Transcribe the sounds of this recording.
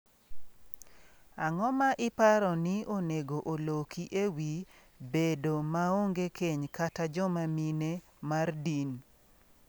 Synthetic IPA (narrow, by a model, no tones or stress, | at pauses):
aŋɔmaʔɪpaɾɔnɪoneɡoʔolokʰiʔewi | bedomaoŋɡekeɲkatad͡ʒɔmamine | mardin